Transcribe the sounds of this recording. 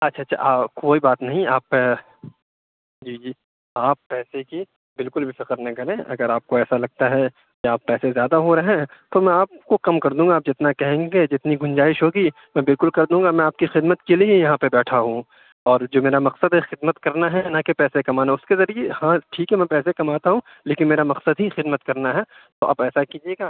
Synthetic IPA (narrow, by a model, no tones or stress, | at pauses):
ɐtːʃʰatːʃʰa̰aːkoːibaːt̪nɐɦĩaːp | d͡ʒiːd͡ʒiː | aːpːɛːseki | bɪlkʊlbʱifɪqəɾnɐĩkɐɾẽːʔɐ̰ɡəɾaːp̚koɛːsalɐɡ̚t̪aɦɛ | keaːpːɛːsezjaːd̪aɦoɾɐɦɛ̃ːt̪omɛ̃aːp̚kokɐmkɐɾd̪ũːŋɡaːp̚d͡ʒɪt̪nakɛɦẽːɡed͡ʒɪt̪niɡʱʊnd͡ʒaːɪʃɦoːɡi | mɛ̃bɪlkʊlkɐɾd̪ũːŋɡamɛ̃aːp̚kixɪd̪mət̪keliejɐɦãpebɛːʈʰaɦũ | ɔːɾd͡ʒoːmeːɾamɐqsəd̪ɦɛxɪd̪mət̪kɐɾnaɦɛnakepɛːsekɐmaːnaʊskezɐɾijehãʈʰiːkɦɛmɛ̃pɛːsekɐmaːt̪aɦũ | leːkɪnmeːɾamɐqsəd̪ɦixɪd̪mət̪kɐɾnaɦɛ | t̪oʔa̰bɛːsakiːd͡ʒieːɡaː